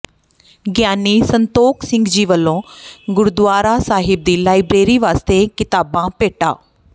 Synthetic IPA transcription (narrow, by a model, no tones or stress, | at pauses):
ɡjaːniːsənt̪oːksɪ̃ŋɡd͡ʒiːʋəlːõːɡʊɾʊd̪ʋaːɾaːsaːɦɪb̚d̪iːlaːɪbɾeːɾiːʋaːst̪eːkɪt̪aːbãːpeːʈa̰ː